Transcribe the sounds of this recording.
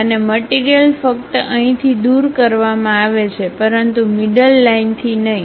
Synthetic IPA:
əneməʈiɾijəlfək̚t̪ə̃ɦĩt̪ʰid̪uɾkəɾʋamãaʋet͡ʃʰepəɾənt̪umiɖəlːaint̪ʰinəɦĩ

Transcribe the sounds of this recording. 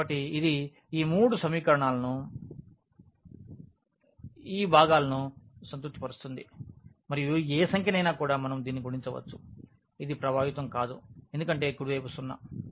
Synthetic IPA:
ɐʈːiid̪i | iːmuːɽusɐmiːkɐɾɐɳaːlɐnu | iːbʱaːɡaːlɐnusɐnt̪uk̚t̪ːipɐɾust̪und̪i | mɐɾijueːsɐŋkʰjɐnɐjnaːkuːɽaːmɐnɐmd̪iːnːiɡuɽiɲt͡ʃɐʋɐ̰t͡ʃːu̥ | id̪ipɾɐbʱaːʋit̪ɐmkaːd̪uend̪ukɐɳʈe̞ːkuɽuʋejpusunːɐ̰

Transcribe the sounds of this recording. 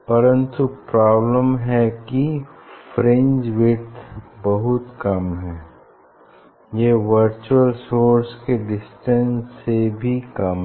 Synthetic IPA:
pɐɾə̃nt̪upɾaːbləmɦɛkifɾẽɲd͡ʒʋɪt̪ʰbɐɦʊt̪kɐmɦɛː | jeʋəɾt͡ʃuəlsoːɾskeɖɪsʈə̃nsːebʱikɐmɦɛ

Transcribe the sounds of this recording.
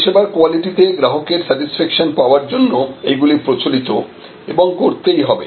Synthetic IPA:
ʃebaɾkoaliʈit̪eɡɾaɦokeɾsɛʈisfɛkʃonpaoaɾd͡ʑonːoeɡulipɾot͡ɕolit̪o | eboŋkoɾt̪ejɦɔbḛ

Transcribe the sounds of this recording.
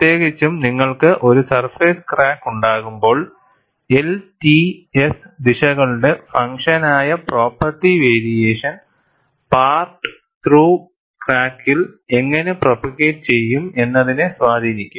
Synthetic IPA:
t̪eːɣit͡ɕːumniŋːɐɭkɨʔo̞ɾusɐrfeːskraːkːuɳɖaːɣumbo̞ːɭ | eltiesd̪iʂɐɣɐɭɖe̞fɐŋʂɐnaːjɐpro̞ːpːɐrʈːiʋeːɾijeːʂɐn | paːrʈɨ̥ | t̪ruː | kraːkːile̞ŋːɐne̞propiɣeːʈt͡ɕe̞jːume̞nːɐðinɨsʋaːd̪ʱiːnikʲːum

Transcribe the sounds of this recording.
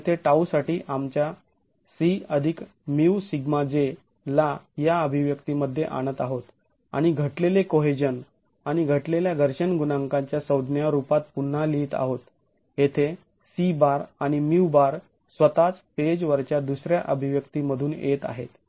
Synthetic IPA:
et̪ʰeʈausaʈiːʔamt͡ɕja | siəd̪ʱik | miwsiɡmad͡ze | lajaəbʱiʋjəkt̪iməd̪ʱːjḛʔa̰ɽ̃ət̪aɦot̪ | a̰ɽ̃iɡʱəʈlelekoɦed͡ʑən | aɽ̃iɡʱəʈleljaɡʱəɾɕənɡunaŋkãɲt͡ɕjasəwd̪ʱnjaɾupat̪̚pun̤ːaliːt̪a̰ɦot̪ | et̪ʰe | sibaɾaɽ̃imiwbaɾ | sʋət̪at͡sped͡ʑʋəɾt͡ɕjad̪usɾjaʔəbʱiʋjəkt̪iməd̪ʱuːnḛt̪a̰ɦet̪

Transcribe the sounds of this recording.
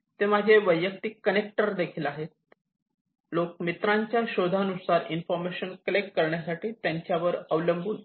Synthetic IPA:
t̪ːemad͡ʑʱeʋəjːək̚t̪ikːənek̚ʈəɾd̪ekʰiːlaɦet̪̚ | lok̚mit̪ɾaɲt͡ɕjaɕod̪ʱanusaɾinfɔɾmeɕənkəlekːəɾɳjasaʈiːt̪jaɲt͡ɕjaʋəɾəʋləmbʱuːn

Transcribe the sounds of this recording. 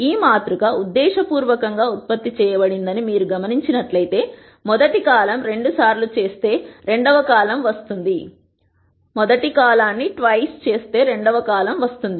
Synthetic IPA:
iːmaːt̪ɾuɡɐud̪ːɛːʃɐpuːɾʋɐkɐŋɡaːut̪̚pɐt̪ːit͡ʃɛːjɐbɐɽind̪ɐnimiːɾuɡɐmɐniɲt͡ʃinɐʈlɐjt̪e̞ː | mɔd̪ɐʈikaːlɐmɾe̞ɳɖusaːɾlut͡ʃe̞ːst̪e̞ːɾe̞ɳɖɐʋɐkaːlɐmʋɐst̪und̪i | mɔd̪ɐʈikaːlaːnːiʈʋɐjst͡ʃe̞ːst̪e̞ːɾe̞ɳɖɐʋɐkaːlɐmʋɐst̪und̪i

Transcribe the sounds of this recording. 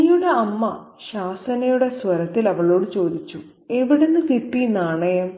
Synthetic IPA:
juɽe̞ɐmːɐ | ɕaːsɐnɐjuɽe̞sʋɐɾɐt̪ːilɐʋɐɭo̞ːɽɨt͡ɕo̞ːd̪it͡ɕːu | eʋiɽenːɨk̪iʈːinaːɳɐjɐm

